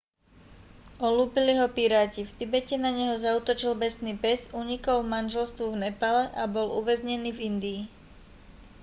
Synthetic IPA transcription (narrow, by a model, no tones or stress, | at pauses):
ɔluːpiliɦɔpiɾaːcift̪ibɛcɛnaɲɛɦɔzauːt̪ɔt͡ʃilbɛsniːpɛzuɲikɔlmanʒɛlst̪ʋuvnɛpalɛʔabɔluʋɛzɲɛniːvind̪iː